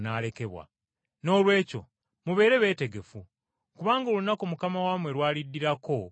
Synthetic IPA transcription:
naːle̞ke̞βwa̰ | no̞ːlwe̞ːco̞̰ | muβe̞ːɾe̞βe̞ːte̞ɡe̞fu | kuβaːŋɡoːlunakumukamawaːmwe̞ɾwaːlidːiɾako̞

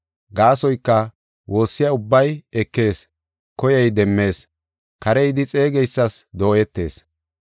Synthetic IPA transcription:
ɡaːsɔjkːɐ | wʔo̞ːsːɪjaʊbːɐjɛkːe̞ːs | kɔjɛjd̪ɛmːe̞ːs | kɐɾɛjd̪ɪt͡sʼe̞ːɡɛjsːɐsd̪o̞ːɛt̪ːe̞ːs

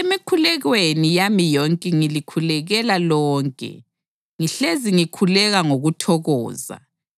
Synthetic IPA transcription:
emikʰulɛɣwenijamijɔŋkʼɛŋilikʰulɛɣɛlalɔːŋkʼɛ̰ | ŋiɬeziŋikʰulɛɣaŋoɣutʰɔɣɔ̰ːza̰

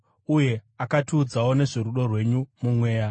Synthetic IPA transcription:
uje̞akatuːd͡zawo̞ne̞ʐeɾuɗo̞rwe̞ɲumumwe̞ːja

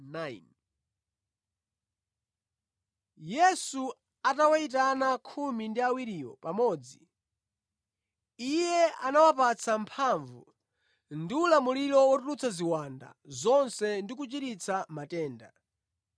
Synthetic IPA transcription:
nan | jɛsu | atawait̬anakʰumindiawiɾijɔ̰pamɔːd͡zi | ijɛa̰nawap̬at͡sʰampʰaɱvṵ | ndiulamuliɾɔwɔtulut͡sʰaziwanda̰zɔnsɛndik̬ut͡ʃiɾit͡sʰamatɛːnda

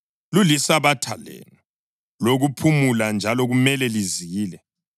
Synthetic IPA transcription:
lulisaβatʰalḛːnu | loɣupʰumuland͡ʒʱalɔɣumɛlɛliziːlɛ

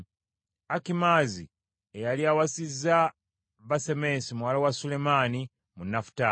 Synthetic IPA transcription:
akimazi | ejaliawasizːa | βaseme̞simuwalawasulemani | munːafu̥ta

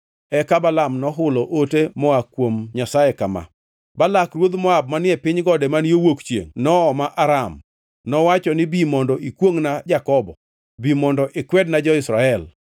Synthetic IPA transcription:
ɛkabalamnɔɦʊlɔʔotemɔakːwomɲasajekama̰ | balakrwod̪mɔab̚manɪɛpɪɲɡɔdɛmanjowokt͡ʃjḛŋnɔːmaʔaɾam | nɔwat͡ʃɔnɪbimɔndɔʔikwoŋnad͡ʒakɔbɔ | bimɔndɔʔɪkwɛdnad͡ʒɔɪsɾaɛl

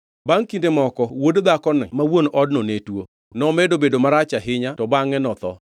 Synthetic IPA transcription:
baŋkindemɔkɔwodd̪akɔnɛmawonɔdnonetwo | nɔmɛdobedomaɾat͡ʃaɦɪɲatɔbaŋɛnɔt̪ɔ

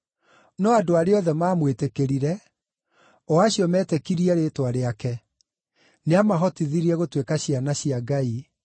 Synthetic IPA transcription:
nɔadoaɾeɔðɛmaːmwetekeɾiɾɛ | ɔaɕiɔmɛːtɛkiɾiɛɾeːtwaɾeakɛ | neamaɦɔtiðiɾiɛɣotwekaɕianaɕiaɡai

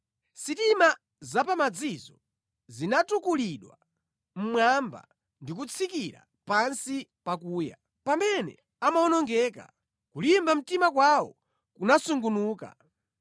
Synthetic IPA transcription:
sitima | zapamad͡zizɔ | zinatukuliɗwa̰ | m̩mwamba̰ | ndik̬ut͡sʰikiɾa̰ | pansipakuːja̰ | pambɛnɛ̰ | amaɔnɔŋɡɛːka̰ | kulimbam̩timak̬wawɔ̰ | kunasuŋɡunuːka̰

